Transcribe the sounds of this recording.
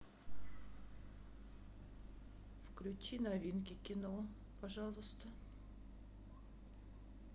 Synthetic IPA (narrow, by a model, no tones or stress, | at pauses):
fklʲʉt͡ɕinɐvʲinkʲɪkʲɪno | pɐʐɑlˠʊst̪ə